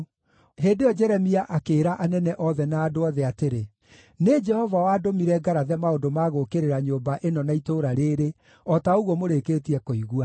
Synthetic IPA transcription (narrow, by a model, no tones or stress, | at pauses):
ɦeːndeɔd͡ʒɛɾɛmiaʔakeːɾaʔanɛnɛʔɔðɛnaːdoɔðɛateɾe | ned͡ʒɛhɔvawaːdomiɾɛɡaɾaðɛmaodomaɣokeɾeɾaɲoːmbaʔenɔnaitoːɾaɾeːɾe | ɔtaoɣɔmoɾekeːtiɛkoiɣua